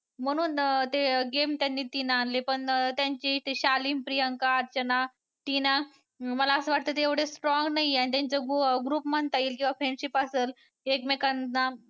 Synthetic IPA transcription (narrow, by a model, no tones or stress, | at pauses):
m̤əɽ̃uːnt̪eɡemt̪janːiːt̪inaːnlepəɳt̪jaɲt͡ɕit̪eɕaliːmpɾijəŋkaːɾt͡ɕəna | t̪ina | məlaːsəʋaʈ̚t̪ət̪eeʋɽ̤esʈɾɔŋɡnaieanit̪̬ʲjaɲt͡ɕaɡɡɾuːpməɳt̪aiːlkĩw̃ʋafɾenɕipəseːl | ekmekanna